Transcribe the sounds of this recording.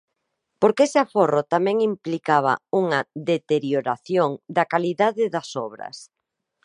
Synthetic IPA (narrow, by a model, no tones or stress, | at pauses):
poɾkesɪaforot̪amɛ̃ŋimplikaβ̞ɐ̰uŋɐðet̪eɾjoɾaθjoŋd̪ɐkaliðaðɪðɐsɔβɾɐ̰s